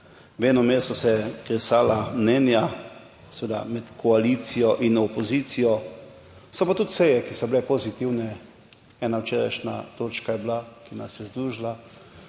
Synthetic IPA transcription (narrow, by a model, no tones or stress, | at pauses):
wɛːnɔmest̪ɔsɛkɾɛsaːlamnɛːnja | sɛʋeːd̪a̰mɛt̪kʰɔalit̪sijɔʔinɔpɔziːt̪sijɔ | sɔpat̪ut̪sɛjɛkisɔblɛpozit̪iwnɛ | ɛːnawt͡ʃeːɾa̰jʃna̰t̪oːt͡ʃkajɛblakinasjɛzd̪ɾuːʒla